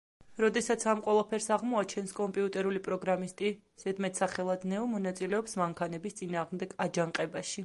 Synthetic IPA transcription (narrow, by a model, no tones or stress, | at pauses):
ɾɔd̪ɛsat̪sʰamqʼwɛlˠapʰɛɾsaʁmɔat͡ʃʰɛnskʼɔmpʼiut̪ʼɛɾulipʼɾɔɡɾamist̪ʼi | z̥ɛd̪mɛt̪ʰsaχɛlˠad̪nɛɔmɔnat̪sʼilɛɔpsmaŋkʰanɛbist̪sʼinaːʁmd̪ɛɡ̥ad͡ʒaŋqʼɛbaʃi